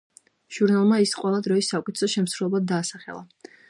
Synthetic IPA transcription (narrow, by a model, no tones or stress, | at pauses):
ʒ̥uɾnalˠmaisqʼwɛlˠad̪ɾɔisːakʼit̪ʰsɔʃɛmsɾulˠɔbad̪ːaːsaχɛ̰lˠa